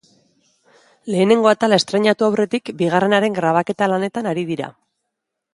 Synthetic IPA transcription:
le̞ːne̞ŋɡo̞at̪alae̞st̪ɾe̞ɲat̪uawre̞t̪ikbiɣ̞are̞naɾe̞ŋɡɾaβ̞ake̞t̪alane̞t̪anaɾiðiɾa̰

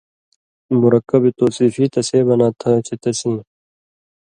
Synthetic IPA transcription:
mʊɾəkːɐbit̪oːsiːfiːt̪ɐseːbɐnaːt̪ʰãt͡ɕʰit̪ɐsĩː

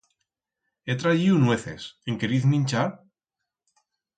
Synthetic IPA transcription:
et̪ɾaiunweθḛseŋkeɾiθmĩnʲt͡ʃaɾ

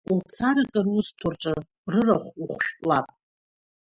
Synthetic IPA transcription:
ult͡sʰaɾakʼarʊstʰʊrʈ͡ʂʼa | rɨraχʷuχʷʃᶣʷʼlapʼ

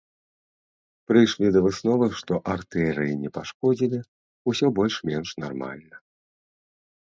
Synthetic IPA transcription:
pɾɨjʂlʲid̪ɐvɨsnɔvɨʂt̪ɔʔart̪ɛɾɨjinʲɛpaʂkɔd͡zʲilʲi | usʲɔbɔlʲʂmʲɛnʂnarma̰lʲnɐ

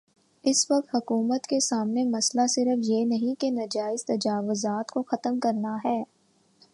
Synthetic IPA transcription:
ɪsʋɐq̚t̪ɦʊkuːmət̪kesaːmnemɐslasɪɾəfjenɐɦĩkenɐd͡ʒaːɪzt̪ɐd͡ʒaːʋʊzaːt̪koxɐt̪əmkɐɾnaɦɛː

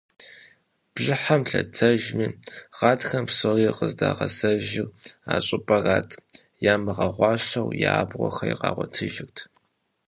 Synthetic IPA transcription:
b̥ʒɪħamɬɐ̰tʰɐʒmiːʁ̥ɑːtxɐmpsɐʁiːqʼəzdaːʁɐsɐʒɪraːɕʼɪpʼɐraːtʼ | jaːmɨʁɐʁʷɑːɕɐwjaːbʁʷɔxɐjiqɑːʁʷɔtʰɨʒɪrtʰ

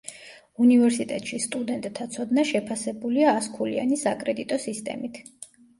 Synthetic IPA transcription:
univɛɾsit̪ʼɛt̪ʼʃist̪ʼud̪ɛnt̪ʼt̪ʰat̪sʰɔd̪naʃɛpʰasɛbuliaːskʰulia̰nisakʼɾɛd̪it̪ʼɔsist̪ʼɛ̰mit̪ʰ

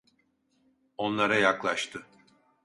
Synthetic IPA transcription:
o̞nlˠaɾajaklˠaʃt̪ʰɯ

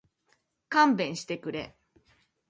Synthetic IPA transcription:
kãmbẽ̞ɰ̃ɕi̥t̪e̞kɯ̟ɾe̞̰

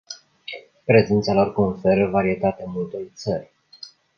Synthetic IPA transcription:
pɾe̞zent̪salo̞rkonfe̞ɾəvaɾiet̪at̪eamult̪o̞jt̪sərʲ

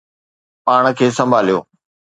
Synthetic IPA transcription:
paːɽ̃̆kʰeːsɐ̃mbʱaːlijo̰ː

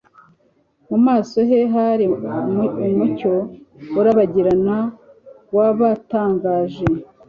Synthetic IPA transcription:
mumaːso̞ɦe̞ɦaɾi | umuco̞uɾaβaɟiɾana | waβataːŋɡaːʒe

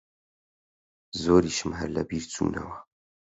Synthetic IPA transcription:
zoːɾiːʃɨmɦɐɾlɐ̰biːɾt͡sʰṵːnɐ̰wɐ

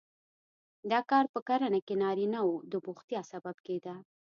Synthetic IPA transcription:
d̪ɑkɑɾpəkaɾanakenɑɾinawod̪əbʊxt̪jɑsababked̪a

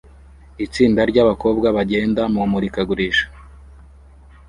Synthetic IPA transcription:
it͡siːndaɾɟaβako̞ːb̚ɡaβaɟe̞ːndamumuɾikaɡuɾiʃḁ

